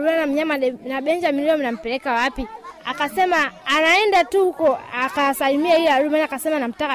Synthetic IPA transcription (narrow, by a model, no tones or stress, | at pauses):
uanam̩ɲamanaɓɛnd͡ʒaminliɔminam̩pɛɾɛkawapiakasɛmaːnaɛndatuhukɔakasalimiaijɛaɾumanakasɛmanam̩taka